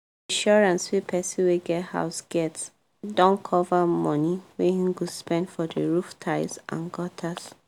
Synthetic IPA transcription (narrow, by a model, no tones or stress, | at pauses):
ãʃɔɹãnswepʰɛsĩweɡɛtha̰ʊsɡ̥ɛts | dɔ̃nkʰɔvamɔ̃niwehĩɡuspɛ̃ndfɔdəɹuftʰaɪsʔã̰nɡɔtʰas